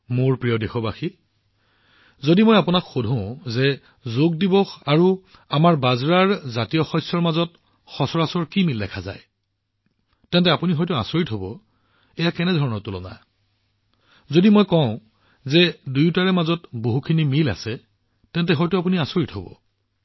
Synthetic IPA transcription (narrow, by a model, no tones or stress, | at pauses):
moɹpɹijɔdexʰɔbaxi | zodimojapunakxodʱɔ̃ʊ̃zɛ | zoɡ̚dibɔxaɹu | amaɹbazɹaɹzatijɔxɔsɔɹmazɔt̚ | xɔsɔɹasɔɹkimildɛkʰaza̰j | tɛntɛapuniɦɔjtua̰soɹitɦobɔ̰ | ɛjakɛnɛdʱɔɹɔnɔɹtʊlɔ̰na̰ | zodimojkɔ̃ʊ̃ | zɛdujtaɹɛmazɔtboɦukʰinimila̰sɛ | tɛntɛɦɔjtʊap̬uniasoɹitɦobɔ̰